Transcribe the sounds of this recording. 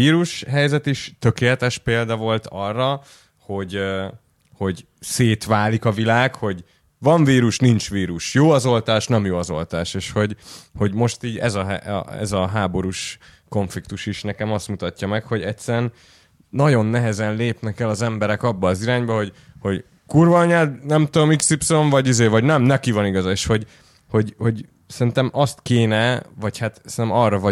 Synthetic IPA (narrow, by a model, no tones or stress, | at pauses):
iːɾuʃɦɛjzɛt̪iʃt̪økeːlɛt̪ɛʃpeːld̪ɒvo̞lt̪ʰɒrːɒ | ho̞ɟ | ho̞ɟ | seːt̪ʋaːlikɒvilaːkho̞ɟ | vɒɱviːɾuʃnint͡ʃʋiːɾuʃjoːɒzo̞lt̪aːʃnɛmjoːɒzo̞̰lt̪aːʃeːʃho̞ɟho̞ɟmo̞ʃt̪iːɟɛ̰zɒɦɛ̰ɛ̰zɒɦaːbo̞ɾuʃko̞ɱflikt̪uʃiʃnɛkɛmɒst̪mut̪ɒcːɒmɛkho̞ɟɛtʲsɛɾɛnː | ɒɟo̞nːɛɦɛzɛnleːpnɛkɛlɒzɛmbɛɾɛkɒbːɒːziɾaːɲbɒho̞ɟho̞ɟ | kurvɒɲaːd̪nɛmt̪uomiksipsoɱvɒɟizeːvɒɟnɛmnɛkivɒniɡɒzɒeːʃho̞ɟ | ho̞ɟho̞ɟ | sɛɾint̪ɛmɒst̪keːnɛvɒchat̪sɛint̪ɛmɒrɒvɒ